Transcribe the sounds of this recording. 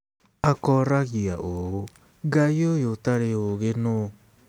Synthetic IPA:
akɔɾaɣiaʔoo | ɡaiojotaɾeoɣeno

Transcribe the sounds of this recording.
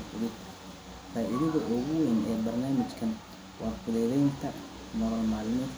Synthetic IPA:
fʊɽɪd̪ | faːɪɾɪðɐʔɔɣʊwɛnɛːbɐrnaːmɪt͡ʃkʰɐn | wʔɑrfʊðɛðɛjnt̪ʰɐ | mɔɾɐlmaːlɪmɔː

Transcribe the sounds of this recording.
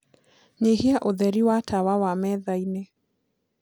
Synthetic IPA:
ɲehiaʔoðɛɾiwatʰawawamɛðainɛ

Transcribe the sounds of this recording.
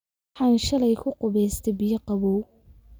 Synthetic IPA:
ħɑːnʃɐlɛjkʰʊqʊβɛjst̪ʰɛbɪjɐqɑβɔw

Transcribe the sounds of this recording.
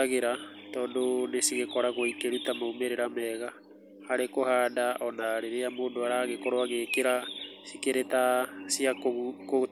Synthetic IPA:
aɣeɾa | tɔːndonesiɣekɔɾaɣoikeɾutamaumeɾeɾamɛɣa | haɾekohaːdaʔɔnaɾeɾeamoːndoaɾaɣekɔɾoaɣeːkeɾa | sikeɾetasiakko

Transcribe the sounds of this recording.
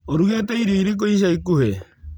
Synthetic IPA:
oɾuɣetɛiɾiiɾik̬oiʃ̬aikuhe

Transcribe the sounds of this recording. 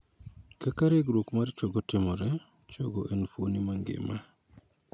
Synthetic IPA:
kakaɾeɡɾokmaɾt͡ʃoɡɔtɪmɔɾɛ | t͡ʃoɡɔʔenfonimaŋɡɪ̰ma

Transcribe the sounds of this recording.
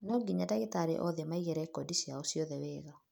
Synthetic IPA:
nɔɡiɲadaɣetaɾḛʔɔðemaiɣɛɾɛkɔdisiaosiɔðɛweːɣa

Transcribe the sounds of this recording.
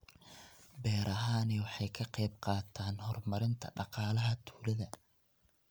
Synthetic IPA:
bɛːɾʔɐɦaːniwɑħɑjkʰɐqɑjb̚qɑːt̪ʰaːnhɔrmɐɾɪnt̪ʰɐ̰ɖɑqɑːlɐɦɐt̪ʰuːlɐðɐ

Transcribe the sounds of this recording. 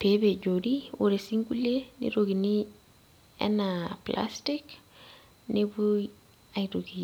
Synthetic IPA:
pebed͡ʒoɾiwṵɾesiŋɡulenḭɾoɡini | ɛ̰napla̰stik | nibu | ajtoɡi

